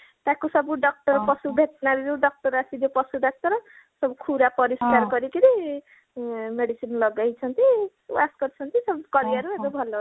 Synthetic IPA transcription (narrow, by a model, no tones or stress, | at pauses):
t̪ãkosʌbuɖʌk̚ʈʌrpʌsubʱet̪naɾjuɖʌk̚ʈʌrasid̪jopʌsudʌk̚ʈʌɾ | sʌbukʰuɾapʌɾiskarɡʌɾikid̪i | meɽisinlʌɡajt͡sʰʌnt̪i | wasɡʌɾt͡sʰʌnt̪isʌbkʌɾiʌɾued̪obʱʌlːʌ